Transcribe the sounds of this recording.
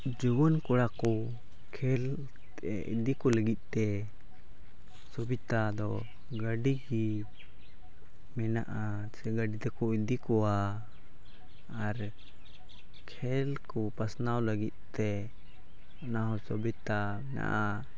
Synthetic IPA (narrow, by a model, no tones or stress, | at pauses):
d͡ʒubɔnkɔɽakɔ | kʰɛl | ḭd̪ikɔləɡit̪̚ˀt̪ɛ | sɔbit̪ad̪ɔ | ɡəɖiɡi | mɛna̰ʔa | ɛɡaɖit̪ɛkɔid̪ikɔwa | ɾ | kʰɛlkɔpasnawləɡit̪̚ˀt̪ɛ | ɔnaɦɔsɔbit̪a | mɛna̰ʔa